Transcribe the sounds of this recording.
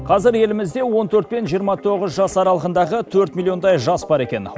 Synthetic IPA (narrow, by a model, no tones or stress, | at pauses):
qʰɑzɪɾje̞lɪmɪzd̪e̞wo̞nt̪ʰɵɾt̪̚pe̞nʒijəɾmɑt̪ʰo̞ʁəzʒɑsɑɾɑlˠəʁənd̪ɑʁət̪ʰɵɾt̪mʲilʲˠio̞nd̪ɑjʒɑsbɑɾe̞kʲe̞̰n